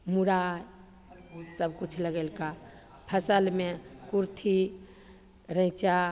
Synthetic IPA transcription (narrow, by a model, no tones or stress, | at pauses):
muɾaj | səbkut͡ʃʰləɡelka | pʰəsəlmekuɾt̪ʰi | ɾə̃it͡ʃa